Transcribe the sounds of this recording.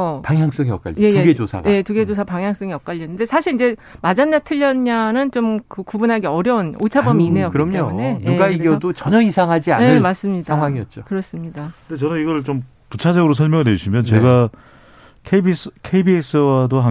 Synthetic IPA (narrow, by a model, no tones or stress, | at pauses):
paŋɦjaŋs͈ʌŋiʌk͈a̰ʎːje̞jɡed͡ʑosʰa̰je̞tuɡe̞d͡ʑos̬ʰapaŋɦjaŋs͈ʌŋiʌk͈aʎːʌnɯnde̞sʰaɕʰiɾid͡ʑe̞mad͡ʑanːatʰɯʎːʌnɲanɯnt͡ɕomkɯkubunɦaɡe̞ʌɾjʌunot͡ɕʰabʌmiːnejʌkɯɾʌmɲonenueɡaiɡjʌdot͡ɕʌɲʌisʰaŋɦad͡ʑia̰eɯmas͈ɯmɲidaaŋɦwaŋiʌt̚t͡ɕ͈okɯɾʌs͈ɯmɲidakɯnd̪et͡ɕʌnɯniɡʌɭt͡ɕom | put͡ɕʰad͡ʑʌɡɯɾosʰʌɭmjʌŋneɕʰimjʌnt͡ɕe̞ɡa | kʰebiskʰeibies͈ɯwadoɦa